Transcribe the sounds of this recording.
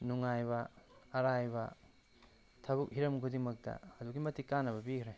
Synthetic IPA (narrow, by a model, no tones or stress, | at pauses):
nuŋajbɐːɾajbɐ | tʰɐbuk̚hiɾɐmkʰudiŋmɐk̚tɐ̰ɐduɡimɐtikːanːɐβɐbikɾej